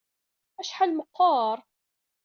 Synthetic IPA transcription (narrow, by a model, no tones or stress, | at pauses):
æʃħalməqːɑɾˤ